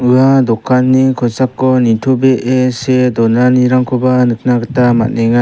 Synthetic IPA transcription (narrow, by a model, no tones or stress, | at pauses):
ɯadɔkʰːanːikʰɔjsap̚kɔnitʰɔbeʔesedɔnaniɾaŋkʰɔbanɯk̚naɡətama̰t̚neŋa